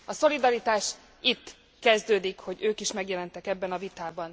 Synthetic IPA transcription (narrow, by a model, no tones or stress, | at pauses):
ɒso̞lid̪ɒɾit̪aːʃ | it̪ː | kɛzd̪øːd̪ikho̞ɟøːkiʃmɛɡjɛlɛnt̪ɛkɛbːɛnɒvit̪aːbɒn